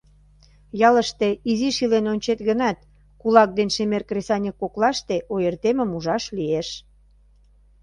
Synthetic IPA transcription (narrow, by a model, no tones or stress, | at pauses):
jɑləʃt̪eiziʃilenonʲt͡ɕet̪ɣənɑt̪̚ | kulɑk̚d̪enʃemerkresɑnʲekːoklɑʃt̪eʔojərt̪emə̆muʒɑʃlieʃ